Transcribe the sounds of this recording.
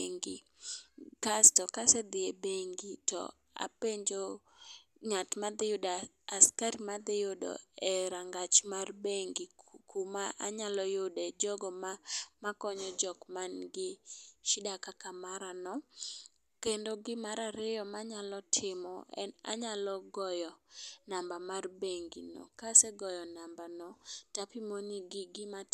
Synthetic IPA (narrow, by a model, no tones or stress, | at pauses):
ŋɡḭ | ɡastɔkasɛd̪ɪebeŋɡitɔ̰ | a̰peɲd͡ʒo | ŋatmad̪ɪjʊdaː | skaɾimad̪ɪjodɔ̰ɛɾaŋɡat͡ʃmarbeŋɡikumaʔaɲalɔjodɛd͡ʒɔɡɔmamakɔɲɔd͡ʒɔkmanɡɪʃɪdakakamaɾanɔ | kendoɡɪmaɾaɾɪjɔmaɲalɔtʰɪmɔ̰ɛ̰na̰ɲalɔɡɔjɔnambamarbeŋɡḭnɔ̰kasɛɡɔjɔnambanɔtapimoniɡɪɡɪma